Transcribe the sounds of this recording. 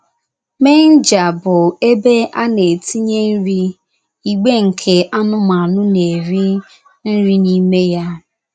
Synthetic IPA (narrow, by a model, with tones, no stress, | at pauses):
me˦n̩˦d͡ʒa˨bʊ˨e˦be˦ʔa˦ne˨ti˦ɲe˦n̩˦ɾi˦ | i˦ɡ͡be˦ŋ̩˨kʰe˨ʔa˦nʊ˦ma˨nʊ˦ne˨ɾi˦ | n̩˦ɾi˦ni˦me˦ja˦